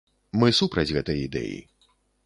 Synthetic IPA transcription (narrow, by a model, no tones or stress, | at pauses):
mɨsupɾɐd͡zʲɣɛt̪ɐjid̪ɛ̰jḭ